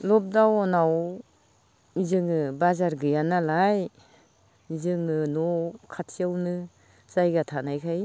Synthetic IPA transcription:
lɔp̚dawɔnaw | mizɯŋɯbazaɾɡɯjanalaj | mizɯŋnɯnɔkʰatʰijawnɯ | z̥ajɡatʰanajkʰaj

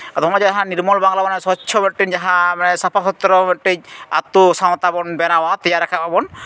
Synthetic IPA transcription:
at̪ɔɦɔmad͡ʒaɦãniɾmɔlbaŋlabanasɔt͡ʃʰɔmɛʈːind͡ʒaɦãmanɛsapʰasɔt̪ːɾɔmɛʈːiɲ̚a̰t̪usaw̃t̪abɔnbɛnawat̪ijaɾɛkʰapabɔn

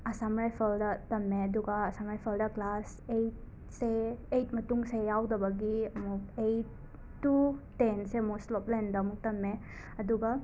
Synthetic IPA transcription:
ɐsamɾajpʰɐldɐtɐmːeɐd̪uɡɐːsamɾajpʰɐldɐklas | ejt̚ | seːjt̚mɐtuŋseawdɐbɐɡiɐmuk̚ejtː | utensemoslɔplendɐːmuk̚tɐmːe | ɐd̪uɡa

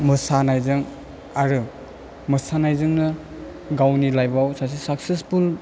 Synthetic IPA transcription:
mɯsanajzɯŋ | aɾɯ | mɯsanajzɯŋnɯ | ɡawnilajbawsas̬isaksespʰul

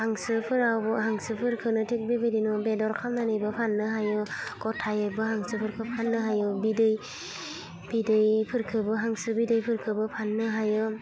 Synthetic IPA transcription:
haŋsɯpʰɯɾawbɯɦaŋsɯpʰɯɾkʰɯnɯtʰik̚bebɯdinɔbedɔɾkʰamnanɯjbɯpʰanːɯɦajɯkɔtʰːajɯbɯhaŋsɯpʰɯɾkʰɯpʰanːɯɦajɯbidɯj | b̥idɯjpʰɯɾkʰɯbɯɦaŋsɯbidɯjpʰɯɾkʰɯbɯpʰanːɯɦajɯ

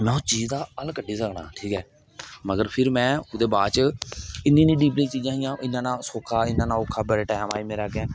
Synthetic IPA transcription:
mɛ̃ːoːt͡ʃiːd͡ʒd̪aːəlkəɖiːsəkna̰ːʈʰiːkɛː | məɡəɾpʰɪɾmɛ̃ːʊd̪eːbaːd̪t͡ʃɪnːĩːnĩːɖiːplĩːt͡ʃiːd͡ʒãːɦɪjãːʔɪnːãːnãːsoːkʰːaːɪnːãːnãːokʰːaːbəɽeːʈɛːmaːiːmeːɾaːkɛ̃ː

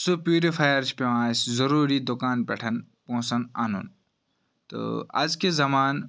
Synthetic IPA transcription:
supjuːɾipʰajɐɾt͡ʃʰpeʋãːszɐɾuːɾid̪ʊkaːnpɛ̰ʈʰɐnpõːsɐna̰ːnṵn | t̪o̰ɐ̰d͡ʒkezɐmaːn

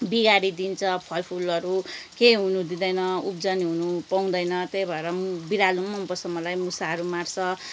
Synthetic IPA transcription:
biɡaɾid̪int͡sʰʌpʰʌlpʰulʌɾukeɦunud̪id̪ʌjnʌup̚d͡zʌniɦunupaw̃d̪ʌjnʌt̪ejbʱʌeɾʌbiɾalumʌmpʌsʌmʌlajmusaɦʌɾumart͡sʰʌ

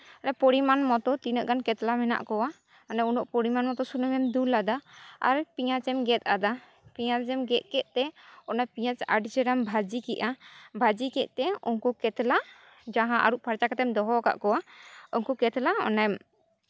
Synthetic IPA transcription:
aɾapɔɽimanmɔt̪ɔt̪inəʔɡankɛt̪lamɛna̰ʔkɔwa | ɔnajunɔʔpɔɽimanmɔt̪ɔsunəmɛmd̪ulad̪aa̰ɾpiɲat͡ʃɛmɡɛt̪̚ˀad̪a | piɲat͡ʃɛmɡɛt̪̚ˀkɛt̪̚ˀt̪ɛɔnajpiɲat͡ʃa̰ɖd͡ʒɛɾambʱad͡ʒikɛʔabʱad͡ʒikɛʔ̪̚ˀt̪ɛɔnkɔkɛt̪la | d͡ʒaɦãʔa̰ɾuʔpʰaɾt͡ʃakat̪ɛmd̪ɔɦɔka̰ʔkɔwaɔnkɔkɛt̪laɔ̰najm

